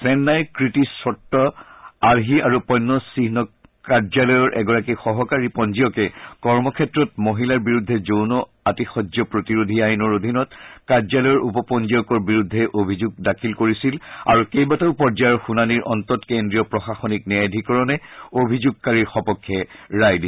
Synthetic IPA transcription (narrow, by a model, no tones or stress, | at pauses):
sɛnːajkɹitisɔtːɔaɹɦiʔaɹupɔjnːɔsiɦnɔkaɹd͡ʒalɔjɔɹʔɛ̰ɡɔɹakixɔɦɔkaɹipɔnziɔkɛkɔɹmɔkʰɛtɹɔt̚moɦilaɹbiɹudʱːɛzownɔ | atixɔd͡ʒjɔpɹotiɹod̪ʱiajnɔɹod̪ʱinɔtkaɹzalɔjɔɹʔupɔpɔnzijɔkɔɹbiɹudʱːɛʔobʱizuɡ̚dakʰilkoɹisila̰ɹukejbataʊpɔɹd͡ʒajɔɹxunaniɹʔɔntɔtkendɹijɔpɹɔxaxɔniknɛadʱikɔɹɔnɛobʱizuɡ̚kaɹiɹxɔpɔkʰːɛɹajdi